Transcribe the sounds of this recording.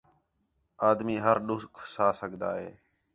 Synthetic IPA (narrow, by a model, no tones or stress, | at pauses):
aːd̪miːɦəɾɗʊskʰsaːsəɡʱd̪a̰ːɦeː